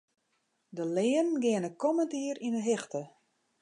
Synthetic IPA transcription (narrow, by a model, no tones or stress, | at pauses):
dəlɪːənɡɪənəkɔməntiəɾinəɦɪxtə